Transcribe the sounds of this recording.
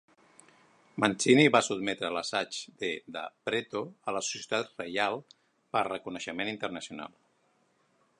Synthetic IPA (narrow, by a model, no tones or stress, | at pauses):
mant͡ʃiniβasut̪mɛt̪ɾələsad͡ʒd̪eðə̰pɾet̪oələsu̥sjət̪at̪rəjalˠ | pərəkunəʃəmenint̪əɾnəsjuna̰lˠ